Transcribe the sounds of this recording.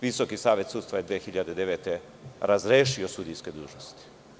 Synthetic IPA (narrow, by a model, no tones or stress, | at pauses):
ʋiso̞kisaːʋje̞t̪sud̪t̪ʋajed̪ʋexiʎad̪ed̪e̞ʋeːt̪e | ɾazɾeːʃio̞sud̪ijske̞d̪uːʒnost̪i̥